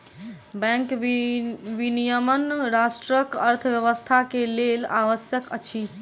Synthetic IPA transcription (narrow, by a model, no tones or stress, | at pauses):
bɛ̃ŋk | ʋinijəmənɾasʈɾəkəɾt̪ʰəbjəʋəst̪ʰakelelaʋəsjəkət͡ʃʰi